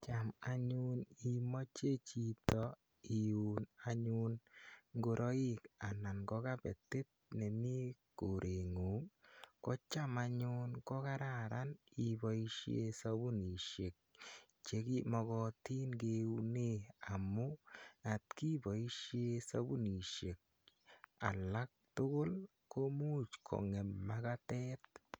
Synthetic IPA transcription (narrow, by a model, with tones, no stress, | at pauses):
t͡ʃa˨ma˨ɲu˦ni˦mɔ˦t͡ʃe˦t͡ʃi˦tɔ˨ | i˨u˨na˨ɲu˦nŋɡo˨ɾʔɔ˦i˦ka˨na˨nɡɔ˦ka˦bɛ˨te˦t̚nɛ˨mi˦ko˨ɾʔe˨ŋu˨˦kɔ˦t͡ʃa˦ma˧ɲʊ˦nkɔ˦ka˦ɾa˨ɾʔa˦ni˨bɔi˦ʃḛ˧sa˦bu˦ni˨ʃe˨k̚ | t͡ʃe˨ki˦mɔ˨ɡɔ˨ti˦nkeune˦a˨mʊ˦a˨tki˦bɔ˨i˦ʃje˦sa˦bu˦ni˨ʃe˨k̚ | a̰˨la˦k̚tʊ˦kʊ˦l | ko˦mu˦t͡ʃkʰɔ̰˨ŋɛ˨mma˦katɛ˦t̚